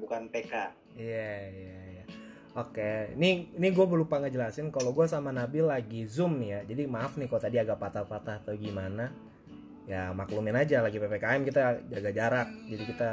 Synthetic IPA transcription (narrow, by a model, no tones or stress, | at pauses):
bukanpeka | ijaijaja | okenɪnɪɡuabəlupaŋəd͡ʒəlasɪnkaloɡuasamanabilaɡizʊmnɪjad͡ʒadimaːfnɪhkalot̪adiaɡaʔpat̪apat̪ahat̪awɡimana | jamaklumɪnad͡ʒalaɡipepekaɛmkit̪ad͡ʒaɡad͡ʒaɾak̚d͡ʒadikit̪a